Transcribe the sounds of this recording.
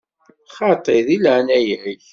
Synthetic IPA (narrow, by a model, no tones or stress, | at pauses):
χɑt̪ˤeðiləʕnæjʕiç